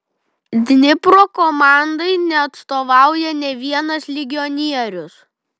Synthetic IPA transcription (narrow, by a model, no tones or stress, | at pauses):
d̪ʲnʲɪpɾoːkɔmɑˑnd̪ɐɪnʲɛɐt̪st̪oːʋɑˑʊjɛnʲɛʋʲiɛnɐslʲɪɡʲɪɔnʲiɛɾʲʊs